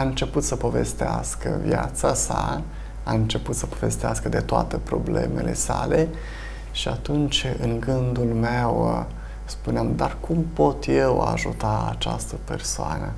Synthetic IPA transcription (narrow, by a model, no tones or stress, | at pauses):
aɨnt͡ʃe̞put̪səpo̞ve̞̰st̪easkəvjat̪sasa | aɨnt͡ʃe̞put̪səpo̞ve̞st̪easkəd̪e̞t̪oat̪epɾo̞ble̞̰me̞le̞sale | ʃiat̪unt͡ʃɨŋɡɨnd̪ulmew | spuneamd̪arkʰumpo̞t̪je̞wa̰ʒut̪aat͡ʃast̪əpe̞rsoa̰nə